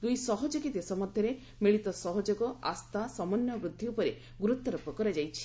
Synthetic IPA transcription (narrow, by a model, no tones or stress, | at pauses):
d̪ujsɔɦɔd͡ʒɔkit̪esɔmɔd̪ʱjɔɾe | miɭit̪ɔsɔɦɔd͡ʒɔɡɔa̰st̪asɔmɔnjɔbɾud̪ʱːiupɔɾe | ɡuɾut̪ːɔɾɔpɔkɔɾad͡ʒajt͡ʃʰi̥